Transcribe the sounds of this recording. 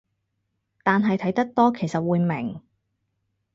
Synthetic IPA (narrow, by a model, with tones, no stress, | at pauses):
t̪aː˨nɦɐ˨jt̪ʰɐ˨˥jt̪ɐ˥k̚t̪ɔː˥kʰe˨˩jsɐ˨t̚wuː˨˧jmɪ̰˨˩ŋ